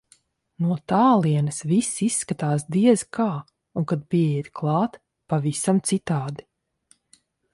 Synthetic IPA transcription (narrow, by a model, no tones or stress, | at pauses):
nuɔt̪aːlˠiɛnɐsvisisːkat̪aːsd̪iɛzikʰaː | uŋkad̪̚piɛɛt̪klˠɑːt̪ | pavisamt̪sit̪aːd̪i̥